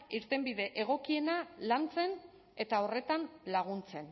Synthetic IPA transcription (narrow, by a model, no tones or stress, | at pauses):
iɾt̪e̞mbiðe̞ʔeɣ̞o̞kie̞nalant͡se̞n | e̞t̪ao̞re̞t̪anlaɣ̞unt͡se̞n